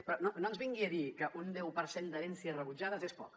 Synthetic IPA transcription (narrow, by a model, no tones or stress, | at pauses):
pɾɔnonoənzβiŋɡiəðikəʔund̪ɛwpəɾsend̪əɾɛnsiəsrəβud͡ʒað̞əzespɔ̰k